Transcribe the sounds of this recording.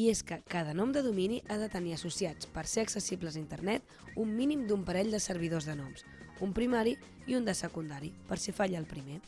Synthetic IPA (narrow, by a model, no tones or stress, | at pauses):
ieskəkaðənɔmd̪əðuminiʔaðət̪əniəsusiat͡spəɾseəksəsibləzint̪əɾnɛt̪ | umːinimd̪umpəɾɛʎd̪əsəɾβ̞iðozðənɔms | umpɾimaɾi | iund̪əsəkund̪aɾipəɾsifaʎəlˠpɾime